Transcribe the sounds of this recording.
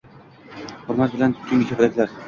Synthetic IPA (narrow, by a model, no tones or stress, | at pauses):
hʊɾmat̪̚bɪlanʰt̪ʰʊŋʲɪkʲʰɵbɾakʲlaɾ